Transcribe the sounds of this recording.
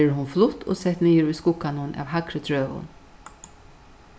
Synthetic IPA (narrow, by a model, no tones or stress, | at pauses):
ɦʊnflʊt̪ʰo̰ːsɛt̪niːəɾʉːskʊkanʊnʔɑ̰ːʋhakɾət̪ʰɾøːʋʊ̰n